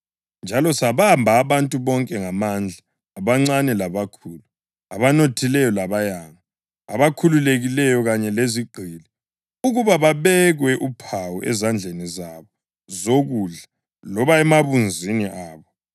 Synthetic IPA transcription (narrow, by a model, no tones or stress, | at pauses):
nd͡ʒʱalɔsaβambʱaːβantʼuβɔŋkʼɛŋamand͡ɮʱaː | βaŋ͡ǀanɛlaβakʰuːlu | aβanotʰilɛjɔlaβajaŋa | a̰βakʰululeɣilɛjɔɣaɲɛleziɡ͡ǃʱilɛ | uɣuβaβaβɛɣwɛʔupʰawuʔɛ̰zand͡ɮʱenizaβɔ | zoɣuɮa | lɔβaɛmaβund͡zʱiniʔaːβɔ